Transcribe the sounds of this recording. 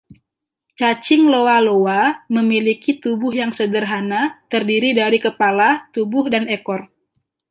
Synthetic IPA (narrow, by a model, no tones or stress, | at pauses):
t͡ʃat͡ʃɪŋlowalowaməmilikit̪ubʊɦjaŋsədərɦanat̪ərdiɾidaɾikəpalat̪ubʊhdanekɔr